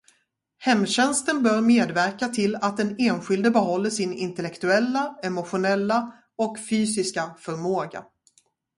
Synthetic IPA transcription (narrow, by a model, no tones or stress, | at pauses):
hɛmːɕɛnst̪ənbœɾmeːd̪væɾkat̪ʰɪlat̪̚d̪ɛneːnɧɪld̪əbɛɦɔlːəʂɪnɪnt̪ɛlɛkt̪ɵɛlːaɛmʊɧʊnɛlːa | ɔkfyːsɪskafœɾmoːɡa̰